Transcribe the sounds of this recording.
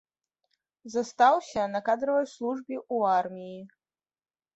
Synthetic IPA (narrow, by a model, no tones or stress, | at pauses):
zɐst̪awsʲɐnɐkad̪ɾɨvɐjʲslˠuʐbʲiʔuarmʲiji